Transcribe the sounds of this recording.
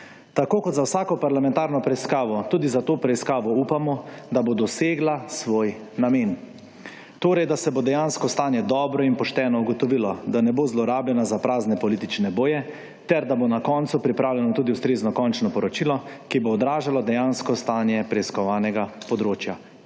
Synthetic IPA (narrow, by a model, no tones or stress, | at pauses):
t̪akoːkɔt̪zawsaːkɔpaɾlamɛ̃nt̪aːɾnɔpɾɛiskaːʋɔt̪uːd̪izat̪oːpɾɛiskaːʋɔuːpamɔd̪abod̪ɔseːɡlasʋoːj | nameːn | t̪oːɾɛjd̪asɛbod̪ɛjanskɔst̪aːnjɛd̪ɔːbɾɔinpɔʃt̪ɛːnɔuɡɔt̪ɔʋilɔd̪anɛbozlɔɾaːbljɛnazapɾaːznɛpɔlit̪it͡ʃnɛboːjɛ | t̪ɛɾd̪abonakɔnt̪supɾipɾaːwljɛnɔt̪uːd̪iust̪ɾeːznɔkɔnt͡ʃnɔpɔɾɔt͡ʃilɔkiboːd̪ɾaːʒalɔd̪ɛjanskɔst̪aːnjɛpɾɛiskɔʋaːnɛɡapɔd̪ɾoːt͡ʃja